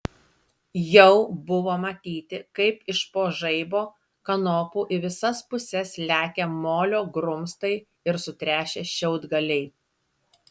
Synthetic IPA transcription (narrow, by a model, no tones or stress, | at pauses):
jɛʊbʊʋoːmɐt̪ʲiːt̪ʲɪkɐɪpɪʃpoːʒɐɪboː | kɐnoːpuːʔɪʋʲɪsɐspʊsʲɛslʲæːkʲemoːlʲoːɡɾʊmst̪ɐɪ | ɪɾsʊt̪ʲɾʲæːʃʲeːʃʲɛʊd̪ɡɐlʲɛɪ